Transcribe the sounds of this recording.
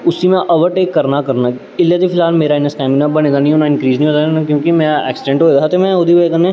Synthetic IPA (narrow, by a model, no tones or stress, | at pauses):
ʊsimɛ̃ʔɐʋəɾʈeːkːɐɾnakɐɾna | ɪljət̪ifʰɪlɦaːlmeːɾaɪnːəskɛ̃ːminabɐneːɡ̪añĩɦonaɪ̃nkɾiːznĩoːt̪ankjõːkimɛ̃ɛ̰ːksɪɖẽɳʈɦoːeːaɦat̪emɛ̃ʊd̪ibekənːẽ